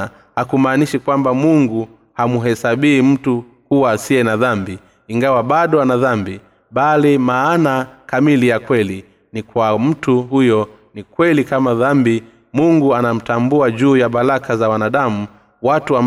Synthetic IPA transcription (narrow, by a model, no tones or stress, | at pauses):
hakumaːniʃikwambamuŋɡu | hamuɦɛsaɓiim̩tu | kuwasiɛnaðambi | iŋɡawaɓaɗɔanaðambi | ɓalimaːnakamilijakwɛli | nikwam̩tuhujɔ | nikwɛlikamaðambi | muŋɡuanam̩tambuaʄuːjaɓalakʰazawanaɗamu | watuam